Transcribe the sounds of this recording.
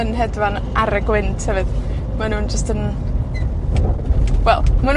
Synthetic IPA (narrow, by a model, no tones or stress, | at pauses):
ənɦɛdvan | aɾəɡwɪntʰhɛvɨð | manuːnd͡ʒəstən | wɛlˠman